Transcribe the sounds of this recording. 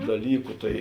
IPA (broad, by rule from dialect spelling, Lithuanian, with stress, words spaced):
dɐˈlʲiːkʊ ˈtɐɪ